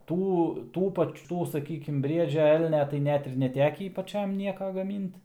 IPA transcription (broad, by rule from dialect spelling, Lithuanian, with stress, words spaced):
ˈtuː ˈtuː ˈpɐt͡ʃ ˈtuː sɐˈkʲiːkʲɪm ˈbʲrʲiɛd͡ʒʲɛ ˈɛlʲnʲɛ tɐɪ ˈnʲɛt ɪr nʲɛˈtʲæːkʲiː pɐˈt͡ʃʲɛm ˈnʲiɛkɐ ɡɐˈmʲiːnt